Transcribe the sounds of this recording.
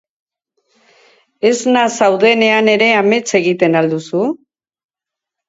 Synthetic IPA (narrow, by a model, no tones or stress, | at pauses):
e̞znasawðe̞ne̞ane̞ɾe̞ame̞t͡se̞ɣ̞it̪e̞nald̪usu